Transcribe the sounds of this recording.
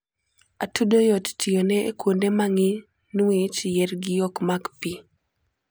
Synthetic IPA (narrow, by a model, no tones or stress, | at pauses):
atudojottʰijonɛekwondemaŋɪ | nuwet͡ʃjɛrɡɪjɔkmakpi